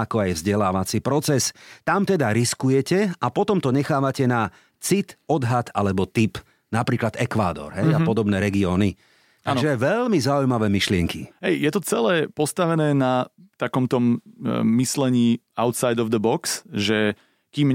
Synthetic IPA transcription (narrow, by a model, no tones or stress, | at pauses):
akɔajvzɟɛlaːʋat͡sipɾɔt͡sɛst̪amt̪ɛd̪aɾiskujɛcɛapɔt̪ɔmt̪ɔɲɛxaːʋacɛna | t͡sit̪ɔd̪ɦat̪a̰lɛbɔt̪ip | napɾiːklad̪ɛkʋa̰ːd̪ɔ̰ɾɦɛjapɔd̪ɔbnɛːɾɛɡiɔːni | aʒɛʋɛlmizaujmaʋɛːmiʃlɪɛŋkḭɦɛjjɛt̪ɔt͡sɛlɛːpɔst̪aʋɛnɛːnat̪akɔmt̪ɔmː | islɛɲiː | aʊt̪sajd̪ɔvd̪əbɔksʒɛ | kim